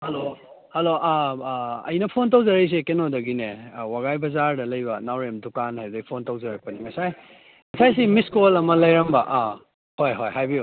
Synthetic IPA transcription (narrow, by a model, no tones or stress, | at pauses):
hɐlo | hɐloʔa | ɐ̰jnɐpʰont̬owzɐɾɐjs̬ekenodɐɡinewaɡajbɐzaɾdɐlɐjbɐnawɾemdukanhajbdɐɡipʰontowzɐɾɐk̚pɐniŋɐsaj | ŋɐsajs̬imiskolɐmɐlɐjɾɐmbɐʔa | hojɦojɦajbiu